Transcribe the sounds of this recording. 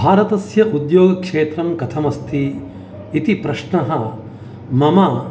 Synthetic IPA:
bʱaːɾɐt̪ɐsjɐʔud̪joːɡɐkʂeːt̪ɾɐmkɐt̪ʰɐmɐst̪ʰi | it̪ipɾɐʃɳɐɦɐ | mɐmɐ

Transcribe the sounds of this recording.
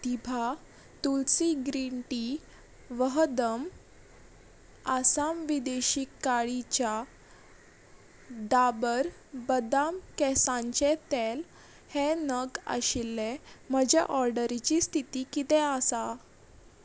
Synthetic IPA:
t̪ibʱa | t̪ult͡siɡɾiɳʈi | ʋəɦd̪əm | asamʋid̪eɕikːaɭit͡ɕja | d̪abəɾ | bəd̪amkɛsãɲt͡ɕet̪el | henəɡa̰ɕilːeməd͡ʑɛ̰ʔɔɾɖəɾit͡ɕist̪ʰit̪iːkit̪ɛ̃asa

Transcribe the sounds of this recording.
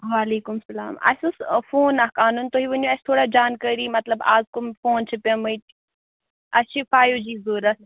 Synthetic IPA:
ʋaːleːkumsɐla̰ːmɐ̰sʲusfoːnɐkaːnunt̪oɦiʋɐnoɐsʲt̪ʰoːɽad͡ʒaːnkəɾimɐt̪lɐba̰ːzkumfoːnt͡ʃʰɨpɐmɐjt̪ | ɐt͡ʃʰifaːjod͡ʒiːzoːɾɐt̪̚ʰ

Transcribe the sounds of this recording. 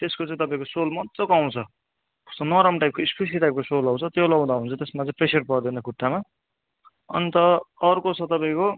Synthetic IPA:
t̪eskot͡sʌ̃ãĩt̪ʌpaĩkosolmʌt͡sokaw̃t͡sʰʌ | usʌnʌɾʌmʈajp̚koikspis̬iʈajp̚kosolaw̃t͡sʰʌt̪jolʌw̃d̪aɦũnt͡sʰʌt̪esmat͡sʌĩpresʌrpʌrd̪inekuʈːama | ʌ̰nit̪ʌʌrkot͡sʰʌt̪ʌpãĩko

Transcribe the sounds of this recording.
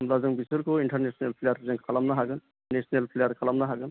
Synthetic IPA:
mlazɯŋbisɯlkʰoiɳʈʰaɾnesʰnelpʰlejaɾzɯŋkʰalamnaɦaɡɯn | nesnelpʰlejaɾkʰalamnaɦaɡɯn

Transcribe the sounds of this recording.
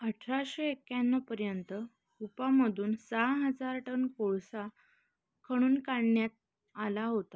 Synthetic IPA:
əʈʰɾaɕeekjanːɔpəɾjənt̪ə | upaməd̪ʱuːnsaɦəd͡zaɾʈənkoɭsa | kʰəɽ̃uːnkaɳːjat̪̚ | alaɦot̪a

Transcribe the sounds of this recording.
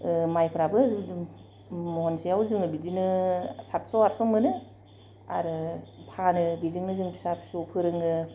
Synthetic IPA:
majpʰɾabɯ | mɔɔnsijawzɯŋɯbizinɯsat̚sɔaɾsɔmɯnɯ | a̰ɾɯpʰanɯbizɯŋnɯzɯŋpʰi̥sapʰsupʰɯɾɯŋɯ

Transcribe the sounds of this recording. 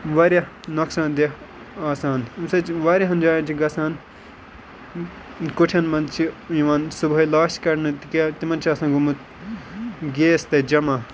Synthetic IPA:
ʋɐɾja | nɐksãːnd̪e | aːsaːnmsɐt͡ʃʋaːɾʲjɐɦɐnd͡ʒaːjɐ̃t͡ʃʰiɡɐsaːn | kuʈʰʲɐnmɐnd̪t͡ʃʰijiʋaːnsubʱɐlaːʃkɐɾnɨt̪ikːt̪imɐnt͡ʃʰiɐːsãːɡumut̪ | ɡeːst̪ɐd͡ʒɐmaː

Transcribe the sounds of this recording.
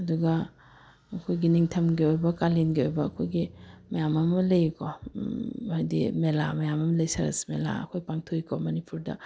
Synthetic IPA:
ɐduɡɐː | kʰojɡiniŋtʰɐmɡiojbɐkalinɡiojbɐːkʰojɡimɐjamɐmɐlɐjko | hajdḭmela̰mɐjamɐmɐlɐjsɐɾɐ̰smela̰ɐ̰kʰojpaŋtʰojkʰomɐnipuɾdɐ̰

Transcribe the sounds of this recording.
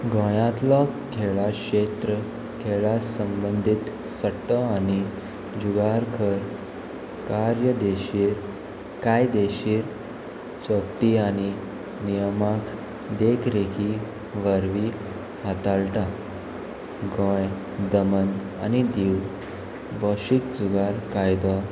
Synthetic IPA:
ɡõjãt̪lɔkʰeɭakɕet̪ɾə | kʰeɭasəmbənd̪ʱit̪ | səʈːəani | d͡ʑuɡaɾkʰəɾ | kaɾjəd̪eɕiːɾ | kajd̪eɕiːɾ | t͡sopʈ̪iani | nijəmak | d̪ekʰɾekʰi | ʋəɾʋi | hat̪alʈa | ɡə̃j | d̪əmən | a̰nid̪iw | bəɕikd͡zuɡaɾkajd̪ɔ

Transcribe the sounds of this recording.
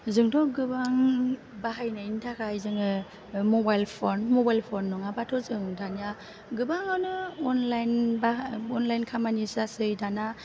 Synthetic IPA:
zɯŋtʰɔɡɯbaŋ | baɦajnaintʰakʰajzɯŋɯ | mɔbajlpʰɔnmɔbajlpʰɔnːɔŋabatʰɔzɯŋdanija | ɡɯbaŋawnɯɔnlajnbaɔnlajnkʰamanisasɯjdana

